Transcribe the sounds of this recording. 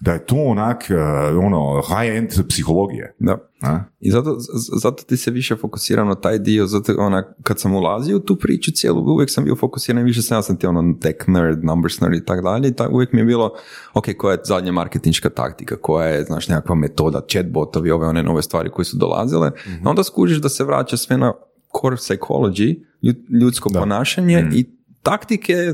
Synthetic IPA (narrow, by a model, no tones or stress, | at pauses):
d̪ajet̪oːonakonohajent̪psixolˠoɡḭjḛd̪a | izat̪ozat̪ot̪iseʋiʃefo̞ku̥siːɾʔamnat̪aːjd̪iozat̪oʔonakad̪samulˠaziot̪uːpɾḭːt͡ʃut̪sjḛːlˠʔṵṵʋjeksambḭjofo̞kusiːɾaniʋiʃ̬esajasamt̪ionot̪ekneɾnambəɾsna̰ɾit̪akd̪aʎeit̪a̰ʔṵʋjekmijebiːlˠo | okejkojajezad̪ɲama̰ɾket̪inʃkat̪a̰kt̪ikako̞jajezna̰ːʃnekakʋame̞t̪o̞ːd̪a̰t͡ʃed̪̚bo̞t̪oʋio̞ʋeo̞nenʔo̞̰ʋe̞st̪ʋaːɾḭko̞jesud̪o̰lˠa̰zilḛo̞nd̪askuːʒiʒd̪aseʋɾa̰ːt͡ʃasʋena | kʰoɾsajkʰo̞̰lˠod͡ʒi | uʎut̪sko̞ponaːʃaɲei | t̪akt̪ikʰe